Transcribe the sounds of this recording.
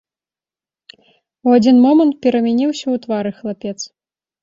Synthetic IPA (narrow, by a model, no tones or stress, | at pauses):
uad͡zʲinmɔmɐnt̪̚pʲɛɾɐmʲɛnʲiwsʲɐwt̪vaɾɨxlˠapʲɛt̪s